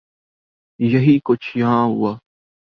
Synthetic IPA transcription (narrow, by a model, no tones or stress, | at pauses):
jəɦiːkʊt͡ʃʰjãːɦʊ̰aː